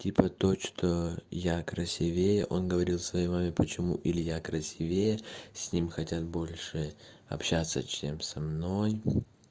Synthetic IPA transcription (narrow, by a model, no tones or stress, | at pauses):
tʲipət̪o̞t͡ɕt̪ʰojakɾɐsʲɪvʲejəʔo̞nɡəvɐɾʲilˠfsvɐjejmamʲɪpət͡ɕɪmṵʔilʲɪjakɾɐsʲivʲejəsʲnʲimxɐtʲat̪̚bo̞lʲʂɨ | ɐ̰pɕːat̪sːə̰t͡ɕemsɐmno̞j